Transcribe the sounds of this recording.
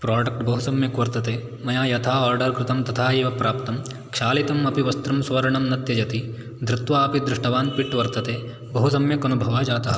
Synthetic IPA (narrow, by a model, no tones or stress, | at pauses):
pɾaːɖɐk̚ʈbɐɦusɐmjɐkʋɐɾt̪ɐt̪eː | mɐjaːjɐt̪ʰaːaːɾɖɐɾkɾɪt̪ɐmt̪ɐt̪ʰaːeːʋɐpɾaːpt̪ɐm | kʃaːlit̪ɐmɐpiʋɐst̪ɾɐmsʋɐɾɐɳɐmnɐt̪jɐd͡ʒɐt̪i | d̪ɾɪt̪ʋaːɐpid̪ɾɪʂʈɐʋaːnpiʈʋɐɾt̪ɐt̪eː | bɐɦusɐmjɐkɐnubʱɐʋaːd͡ʒaːt̪ɐɦɐ